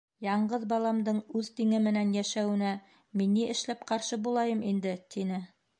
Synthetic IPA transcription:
jɑɴɢɤðbɑlˠɑmd̪ɤɴʉðt̪iŋɘmɘ̆nænjæʃæwɘ̆næ | minːiɘ̆ʃlæp̚qɑɾʃɤbulˠɑjɤmind̪ɘt̪ʰinɘ

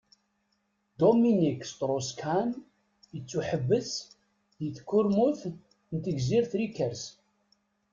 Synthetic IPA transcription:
d̪ominikːst̪ɾˤoskʰan | jət͡sːuħəvːəs | ðiθkːʊɾmuθ | nt̪əɡziɾθɾikːəɾs

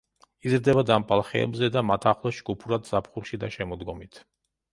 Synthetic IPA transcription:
izɾd̪ɛbad̪ampʼalˠχɛ̰ɛ̰bzɛd̪amat̪ʰaχlˠɔd͡ʒɡupʰuɾad̪zapʰχulˠʃid̪aʃɛmɔd̪ɡɔmit̪ʰ

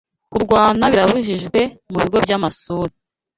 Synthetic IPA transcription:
kuɾɡwaːnaβiɾaβuʒiʒɡwe̞muβiɡo̞bɟamasuːɾi

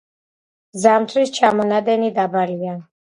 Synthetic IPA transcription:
zamt̪ʰwist͡ʃʰamɔnad̪ɛnid̪abaɾian

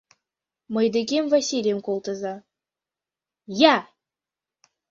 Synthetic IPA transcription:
mɤ̆jd̪ekʲemvasʲilʲjemkolˠt̪ə̆zɑ | jæ

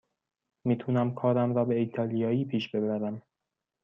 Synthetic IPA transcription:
miːt̪ʰunæmkʰɒːɾæmɾɒːbe̞iːt̪ʰɒːlijɒːiːpʰiːʃbe̞bæɾæm

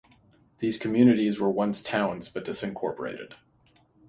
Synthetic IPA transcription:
ðiz̥kʰɨmjʉnɨɾizwə˞wʌ̃nstʰãʊ̃nzbʌt̚d̥ɪsɨ̃nkʰɔɹpə̰˞ḛɪɾɨ̰d̥

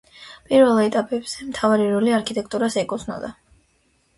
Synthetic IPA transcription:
pʼiɾvɛlˠɛt̪ʼapʼɛbz̥ɛmt̪ʰavaɾiɾɔliaɾkʰit̪ʼɛk̚ʰt̪ʼuɾasɛkʼɔsna̰d̪a

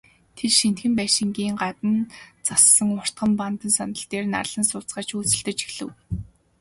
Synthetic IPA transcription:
t̪ʰerʃin̥t̪xɘ̆mpæːʃɪ̆ŋɡiːŋɢat̪ə̆nt͡sasːə̆ŋʊr̥t̪̚ɢə̆mpant̪ə̆nsanə̆ɬt̪eːrna̰rɮə̆nsʊːt͡sɢaːt͡ɕuːt͡sɘ̆ɬt̪ɘ̆t͡ɕi̥xɮɘ̆w

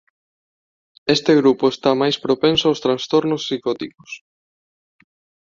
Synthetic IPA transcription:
est̪eɣ̞ɾupʊest̪amajspɾopẽnsoawst̪ɾanst̪ɔɾnosːikɔt̪iko̥s

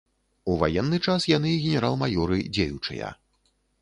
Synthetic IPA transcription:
uva̰jɛnːɨt͡ʂasjan̪ɨɣʲɛnʲɛɾalˠmajɔɾɨd͡zʲejut͡ʂɨ̰jɐ̰

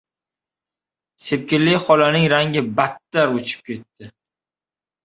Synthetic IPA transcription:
sep̚kʲɪlːɪχɒlanɪŋɾaŋʲɪbat̪ːaɾot͡ʃʰɪ̥p̚kʲʰe̞t̪ːɪ

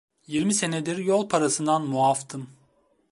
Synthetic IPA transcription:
jiɾmise̞ned̪iɾjolˠpʰaɾasɯnd̪anmuaft̪ʰɯm

